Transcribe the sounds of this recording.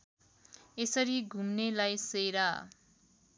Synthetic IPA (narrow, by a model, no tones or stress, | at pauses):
esʌɾiɡʱumnelajsejɾa